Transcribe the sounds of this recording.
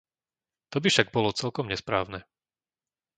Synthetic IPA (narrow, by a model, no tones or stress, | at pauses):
t̪ɔbifʃaɡ̚bɔlɔt͡sɛlkɔmɲɛspɾa̰ːʊnɛ